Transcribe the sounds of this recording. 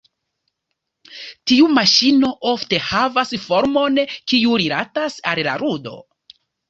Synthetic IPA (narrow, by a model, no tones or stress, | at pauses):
tiumaʃino̞ʔo̞fte̞havasfo̞ɾmo̞nkiuɾilatasa̰lla̰ɾudo̞̰